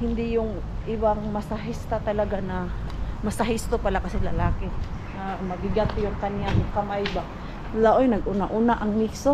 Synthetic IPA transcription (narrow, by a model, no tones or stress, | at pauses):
hɪnd̪ɪjʊŋ | ʔɪbaŋmɐsaɦɪst̪at̪ɐlɐɡanɐmɐsaɦɪst̪opalakɐsɪlɐlaːkɪ | namɐɡɪɡat̪jʊŋkɐnjaŋkɐmajba | laʔojnɐɡʔunaʔuːnaʔɐŋmikso